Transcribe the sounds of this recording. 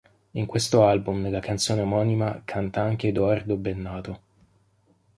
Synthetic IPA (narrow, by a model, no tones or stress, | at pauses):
iŋkwest̪oalbumd̪elːakant̪soːneamɔnimakʰant̪aaŋk̟ed̪oard̪obenːaːt̪o